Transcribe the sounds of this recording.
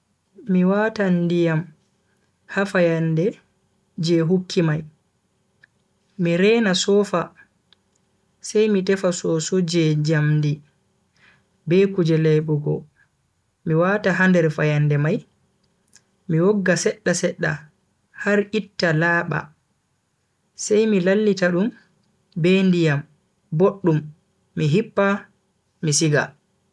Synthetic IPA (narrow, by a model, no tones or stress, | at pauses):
miwatandijam | hafajandɛ | d͡ʒɛɦukʰːimaj | miɾɛnasɔfa | sɛjmitɛfasɔsɔd͡ʒɛd͡ʒamdi | bɛkud͡ʒɛlɛjɓuɡɔ̰ | miwataɦandɛɾfajandɛmaj | miwɔɡːasɛɗːasɛɗːa̰ | haɾʔitːalaːɓa̰ | sajmilalːitaɗum | bɛndijam | boɗːumː | iɦipːa | misiɡa